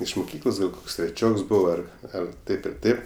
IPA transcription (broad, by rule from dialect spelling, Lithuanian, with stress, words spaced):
ɪʃ mʊˈkʲiːklˠoːs ɡɐlˠ ˈkoːks tʲrʲɛˈt͡ʃʲoːks ˈbʊʋoː ˈɐr ˈɐr ˈtɐɪp ɪr ˈtɐɪp